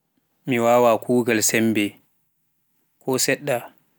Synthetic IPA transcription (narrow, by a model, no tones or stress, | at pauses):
miwaːwaːkʰuːɡalsɛmbɛ | kʰɔsɛɗːa